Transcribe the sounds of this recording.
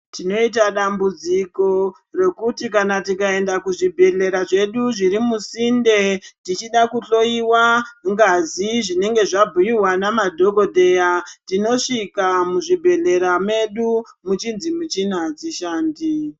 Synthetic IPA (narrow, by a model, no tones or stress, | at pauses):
tino̞it̬aɗambud͡ziko̞ | re̞kutikanatikae̞ndakuʐibʱe̞ɮe̞ɾaʐe̞ɗuʐiɾimusinde̞tit͡ʃiɗakuɬo̞iwaŋɡaziʐine̞ŋɡe̞ʐabʱujiɦwanamadʱo̞ɡo̞dʱe̞jatino̞ʂikamuʐibʱe̞ɮe̞ɾame̞ɗumut͡ʃinzimut͡ʃinad͡ziʃaːndi